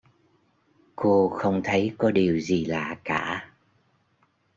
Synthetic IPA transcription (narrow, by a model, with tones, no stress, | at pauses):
ko˧xə˧wŋ͡mt̪ʰə˨˦jkɔ˨˦ɗi˨˩əwzi˨˩laː˨˩kaː˧˩˨